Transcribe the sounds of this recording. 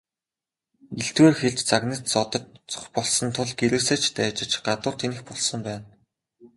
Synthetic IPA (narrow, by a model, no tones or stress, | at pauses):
iɬt̪weːrxeɮt͡ɕt͡saɣnə̆t̪t͡sɔt̪ɞ̆t̪t͡sɔ̥χpɔɮsɞ̆nt̪ʰʊɮɡeɾɘ̆sĕːt͡ɕʰt̪æːt͡ɕɪ̆t͡ɕɢat̪ʊːrt̪ʰenɘ̆xpɔɮsɞ̆mpæːn